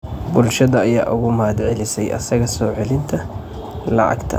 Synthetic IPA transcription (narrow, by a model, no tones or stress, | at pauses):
bʊlʃɐðɐːjaːʔʊɣʊmaːd̪ʕɛlɪsɛjʔɐ̰sɐɣɐsɔːʕɛlɪnt̪ʰɐ | lɑ̰ʕɑ̰ɡt̪ʰɐ̰